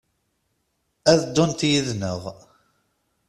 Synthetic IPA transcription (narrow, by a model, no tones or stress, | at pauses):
æðd̪ːʊnt̪jiðnəʁ